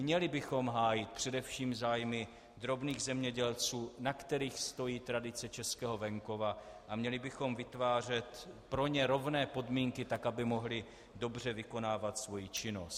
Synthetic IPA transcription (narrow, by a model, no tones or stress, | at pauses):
mɲɛlɪbɪxo̞mɦaːjɪt̪̚pr̝̥ɛdɛfʃiːmzaːjmɪ | d̪ɾo̞bniːɣzɛmɲɛɟɛlt͡suːnakt̪ɛɾiːxst̪o̞jiːt̪ɾadɪt͡sɛt͡ʃɛskɛːɦo̞vɛŋko̞vaʔamɲɛlɪbɪxo̞mvɪt̪vaːr̝ɛt̪pɾo̞ɲɛɾo̞vnɛːpo̞dmiːŋkɪt̪akabɪmo̞ɦlɪ | do̞br̝ɛvɪko̞naːvat̪svo̞jit͡ʃɪno̞st̪